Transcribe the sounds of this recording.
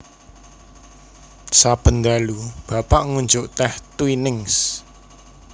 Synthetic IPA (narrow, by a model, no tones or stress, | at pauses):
sab̥ə̤nd̪alub̥a̤paʔŋuɲd͡ʒʊʔt̪ɛht̪winɪŋs